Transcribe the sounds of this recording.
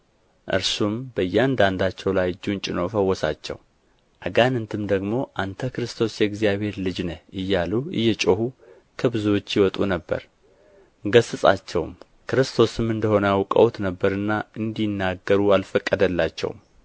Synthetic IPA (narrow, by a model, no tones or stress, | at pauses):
ʔɨ̰ɾsumbəjːɛand̪and̪at͡ʃːɛwlajd͡ʒunt͡ʃʼɪno̞fəwːɔsa̰t͡ʃːɛ̰w | ʔaɡanɨnt̪ʰɨmd̪əɡmo̞ʔant̪ʰəkɨɾɨst̪ʰo̞sjɛɡzijaβhe̞ɾlɨd͡ʒnəʔɨjːaluɨ̰jːɛt͡ʃʼohu | kʰəbɨzuwo̞t͡ʃːjɪwɔt̪ʼṵnəbːə̰ɾ | ɡəsɨsʼa̰t͡ʃːɛwm | kɨɾɨst̪ʰo̞sɨmɨnd̪əho̞nəawkʼə̰wt̪nəbːəɾɨnːaɨnd̪inːaɡːəɾualfəkʼːəd̪əlːat͡ʃːɛ̰w̰m